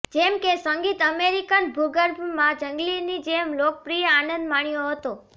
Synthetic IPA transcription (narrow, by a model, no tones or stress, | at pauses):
d͡ʒɛmkesəŋɡit̪əmeɾikənbʱuɡəɾbʱmãd͡ʒəŋɡlinid͡ʒɛmlok̚pɾijəanə̃nd̪maɳjoɦət̪o